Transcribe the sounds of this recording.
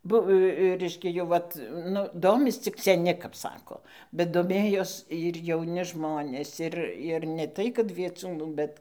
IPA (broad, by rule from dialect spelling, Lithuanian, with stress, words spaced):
ˈbʊw ˈrʲɛɪʃʲkʲɛ jɛʊ ˈʋɐt ˈnʊ ˈdoːmʲɪs t͡sʲɪk sʲɛˈnʲɪ kɐp ˈsɑːkoː bʲɛt doːˈmʲeːjoːs ɪr jɛʊˈnʲɪ ˈʒmoːnʲeːs ˈɪr ɪr nʲɛ ˈtɐɪ kɐt ʋʲiɛˈt͡suːnuː ˈbʲɛt